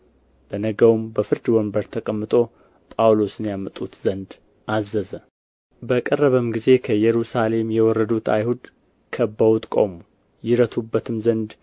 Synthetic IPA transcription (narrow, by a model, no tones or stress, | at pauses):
b̥ənəɡəwmbəfɨɾd̪wɔmbəɾt̪ʰəkʼəmːɨt̪ʼo̞ | pʼawlo̞sɨnjamət̪ʼut̪zənd̪ | ʔazːəzə | bəkʼərːəβəmɡize̞kʰəjɛɾusale̞mjɛwɔrːəd̪ut̪ʰa̰jhud̪ | kʰəbːəwut̪ʼkʼo̰mu | jɪɾət̪ʰubːət̪ʰɨmzənd̪